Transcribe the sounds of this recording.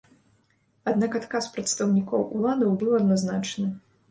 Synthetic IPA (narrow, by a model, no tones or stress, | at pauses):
ad̪nakat̪kaspɾɐt̪st̪ɐwnʲikɔwʔulˠad̪ɐwbɨwɐd̪naznat͡ʂnɨ